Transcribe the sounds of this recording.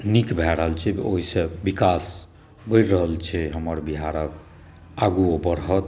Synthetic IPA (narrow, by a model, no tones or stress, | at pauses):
nikbʱɛɾəɦəlt͡ʃʰɛoɦisebikas | bəjɾɾəɦəlt͡ʃʰɛɦəməɾbiɦaɾək | aɡuobəɾɦət̪